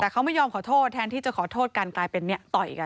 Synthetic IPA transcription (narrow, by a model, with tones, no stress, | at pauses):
t̪ɛː˨˩kʰa˦˥wma˥˩jːɔː˧mkʰɔː˩˦t̪ʰoː˥˩t̪ʰːɛː˧˥nt̪ʰiː˥˩t͡ɕa˨˩kʰɔː˩˦t̪ʰoː˥˩t̪̚ka˧nklaː˧jpe˧nːi˥ɐt̪ɔ˨˩jʔka˧n